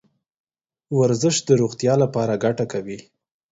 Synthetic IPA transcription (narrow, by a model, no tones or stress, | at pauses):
waɾzəʃd̪əɾuɣt̪jɑlapɑɾaɡaʈakawi